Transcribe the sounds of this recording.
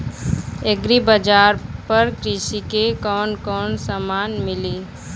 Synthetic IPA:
eɡɾibəd͡ʒaːɾpəɾkɾɪʃikekɔːnkɔːnsəmaːnmɪliː

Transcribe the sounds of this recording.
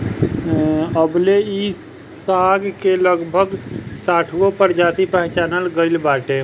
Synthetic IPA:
əblei | saɡkeləɡbʱəɡsaːʈʰɡopəɾd͡ʒaːt̪ipəɦt͡ʃaːnəlɡəɪlbaːʈe

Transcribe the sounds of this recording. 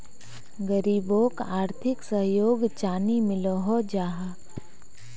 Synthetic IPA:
ɡəɾiːboːkaːɾt̪ʰɪksəɦjoːɡt͡ʃaːnimɪloɦod͡ʒaːɦa

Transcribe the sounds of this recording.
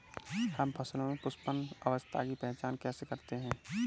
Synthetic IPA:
hɐmpʰɐslõmẽpʊspənɐʋəst̪ʰa̰kipɛɦt͡ʃaːnkɛːsekɐɾt̪eɦɛ̃ː

